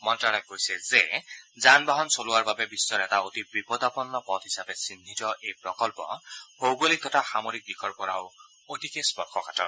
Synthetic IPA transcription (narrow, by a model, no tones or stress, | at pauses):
mɔntaɽakojsɛzezanbaɦɔnsoluwaɹbabebisːɔɾɛtaotibipɔd̪apɔnːɔpɔd̪ɦisabesind̪ʱitɔʔejpɹɔkɔlpɔ̰howɡolik̚d̪ɔtaxamoɾik̚dikʰɔɹkɔɹa̰w | otikespɔɹkʰɔkatɔ̰ɹ